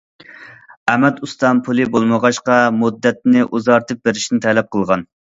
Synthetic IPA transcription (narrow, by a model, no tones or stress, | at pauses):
ɛmɛt̪ust̪ɑnpʰulˠɨbolˠməʁɑʃqɑmud̪ːɛt̪̚nɪʔuzɑɾt̪ʰɨp̚beɾɪʃinɪt̪ʰɛlɛp̚qʰəlˠʁɑn